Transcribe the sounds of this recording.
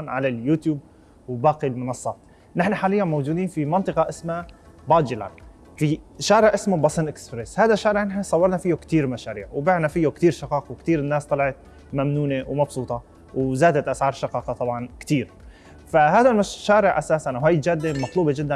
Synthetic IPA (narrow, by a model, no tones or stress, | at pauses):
nʕalaljuːt̪juːb̚ | wbaːqilmʊnɑsˤːɑ̰ːt̪ | nɪħnaħaːlɪjːanmowd͡ʒuːd̪iːnfimɑnt̪ˤɨqɑʔɪsma | bɑːd͡ʒɪla̰n | fiʃaːɾɪʕʔɪsmabɑsˤɪnʔɪkspɾeshaːd̪aʃːaːɾɪʕʔɪnħsˤɑwːɑɾˤnafijːokt̪iːɾmaʃaːɾḭːʕwbaːʕnafɪjːokt̪iːɾʃɑqɑːqɑwɪkt̪iːɾɪnːaːst̪ˤɑlɑʕɑt̪̚ | mamnuːnewmɑbsˤuːt̪ˤɑ | wzaːd̪at̪ʔasʕɑːɾˤʃɑqɑːqɑt̪ˤɑbʕɑnkt̪iːɾ | faɦaːd̪almaʃaːɾɪʕʔasaːsanʔawajt̪d͡ʒaːd̪ːemɑt̪ˤluːbed͡ʒɪd̪ːa